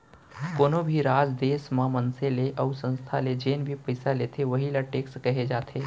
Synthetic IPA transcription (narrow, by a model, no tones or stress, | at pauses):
koːnobʱiɾaːd͡ʒd̪eːsmãmənseleʔɐʊsə̃nst̪ʰaled͡ʒeːnbʱipɐɪsaleːt̪ʰeʋɐɦilaʈeːkskɐɦed͡ʒaːt̪ʰeː